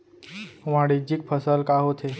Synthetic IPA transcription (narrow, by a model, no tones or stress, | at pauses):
ʋãɽid͡ʑik̚pʰəsəlkaɦot̪ʰe